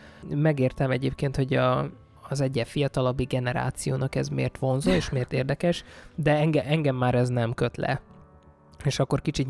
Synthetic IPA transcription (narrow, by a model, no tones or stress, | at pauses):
mɛɡeːrt̪ɛmɛɟeːpkeːnt̪ho̞ɟɒː | zɛɟːɛfijɒt̪ɒlɒbːiɡɛnɛɾa̰ːt̪sijoːnɒkɛzmḛːrt̪ʋo̞nzoeːʃmeːrt̪eːrd̪ɛkɛʃd̪ɛɛŋɡɛʔɛŋɡɛmːaːɾɛznɛmkø̞t̪lɛ̰ | eːʃɒkːo̞rkit͡ʃit̪